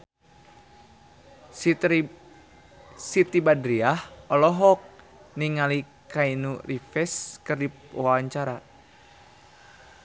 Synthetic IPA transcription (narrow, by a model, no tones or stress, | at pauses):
sit̪ibadɾiahɔlɔɦɔk̚ | niŋali | kainurifɛskɨrdipawaɲt͡ʃaɾa